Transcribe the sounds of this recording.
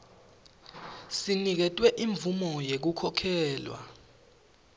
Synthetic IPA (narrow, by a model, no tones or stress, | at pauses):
sinik̬ɛtʼwɛʔiɱbvumɔjek̬ukʰɔkʰɛːlwa̰